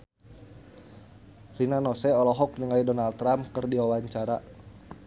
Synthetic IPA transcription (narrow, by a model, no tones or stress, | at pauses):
rinanɔsɛɔlɔɦɔk̚niŋaidɔnalt̪ɾamkɨrdiwawaɲt͡ʃaɾa